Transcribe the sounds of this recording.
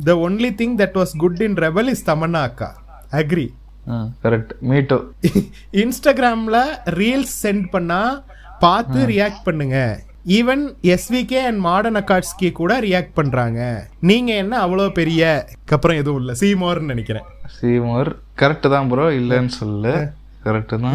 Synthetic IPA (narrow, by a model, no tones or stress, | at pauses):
d̪ɐonlit̪ɪ̃ŋkd̪ɐʈʋɔːsɡʊɖɪnɾɛbɛlɪst̪ɐmɐnːaːkːa̰ː | ɐɡɾi | akɐɾɛk̚ʈmiːʈːo | ɪnsʈaːɡɪɾaːmlɐɾiːlsːɛɳɖpɐɳːaː | paːɾt̪ɯɾɪjaːk̚ʈ̚pɐɳːɯŋɡɐ | iːʋɛnɛsʋiːkeːɐnɖmaːɽɐnɐkːaːʈskekuːɽɐɾɪjaːk̚ʈ̚pɐɳːɾaːŋɡɐniːŋɡɐɛnːɐːʋːɐɭoːpɛɾɪjɐkɐpːɾɔ̃ɛðɯʋʊ̃ɪlːɐsiːmoːɐɾnnɐnɛkʲːɪɾḛ̃ːsiːmoːɾ | kɐɾɛk̚ʈːɯt̪ãːpɔɾoɪlːɐnːɯsɔlːlɯ | kɐɾɛk̚ʈːɯt̪ãː